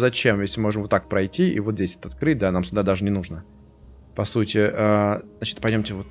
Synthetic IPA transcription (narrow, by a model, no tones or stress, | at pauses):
zɐt͡ɕemjeslʲɪmɨmo̞ʐɨmvot̪ːak̚pɾɐjtʲiḭvot̪zʲesʲɛ̥t̪əɐt̪̚kɾɨt̚ʲd̪anamsʲʊɡd̪ad̪aʐɨnʲɪnuʐnə | pɐsutʲɪʔəznat͡ɕɪ̥t̪pɐjdʲomtʲɪvot̪